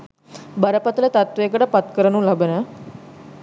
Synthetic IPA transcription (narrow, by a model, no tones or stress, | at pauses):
bəɾəpət̪ələt̪at̪ʋeːkəʈəpɐt̪kəɾənũlabənə